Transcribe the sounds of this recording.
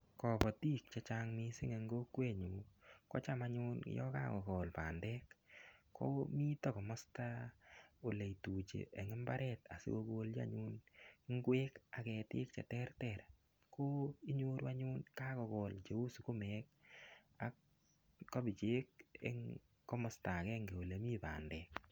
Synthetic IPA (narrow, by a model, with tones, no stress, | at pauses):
kɔ˨pɔ˨ti˦k̚t͡ʃɛ˦t͡ʃaŋmɪsɪ˦ŋe˧ŋɡo˦kːwe˦˨ɲu˨kɔ̰˦t͡ʃa˦maɲʊn̰jɔ̰˦ka̰˦kɔ˨kɔ˨lpa̰ː˨ndɛ˦kː | ɔ̰˦mi˦tɔ˦kɔ˨mɔ˦sta˦ | o˨le˨itu˨t͡ʃḛ˨ʔɛ˨ŋɪ˦mba̰˦ɾʔɛta̰˨sɪ̰˦ko˧ɡo˧ld͡ʒa̰˦ɲu˦nŋɡweː˦ka˨kɛ˨tɪ̰˦kt͡ʃɛ̰˨tɛ˦rtɛ˨ɾ | kʰo˦i˦ɲo˦ɾwa˦ɲʊ˦nka˦kɔ˨˧kɔ˨lt͡ʃe˨u˦su˨ko˦mɛk | akː | ɔ˦bɪ˨t͡ʃe˦k̚ḛ˦ŋ | kɔ˦mɔ˨sta˨kɛ˦ŋɡe˨o˨le˨mi˦pa̰˨ndɛ˨k̚